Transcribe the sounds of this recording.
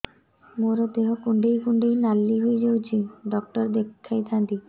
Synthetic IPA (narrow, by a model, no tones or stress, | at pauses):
moɾod̪eɦokuɳɖejkuɳɖejnalːiɦoed͡ʑawt͡ɕʰiɖɔk̚ʈɔɾd̪ekʰːajt̪ʰãnd̪i